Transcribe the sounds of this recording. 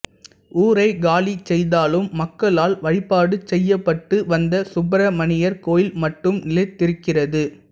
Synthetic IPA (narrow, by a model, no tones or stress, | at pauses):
ʔuːɾɐɪɡaːlit͡ʃɛjðaːlɯmːɐkːɐɭaːlʋɐɻɪpːaːɽɯt͡ʃːɛjːɐpːɐʈːɯʋɐnd̪ɐsʊbɐɾɐmɐnɪjɐɾkoːjɪlmɐʈːɯmnɪlɐɪt̪ːɪɾɯkːɪrɐðɯ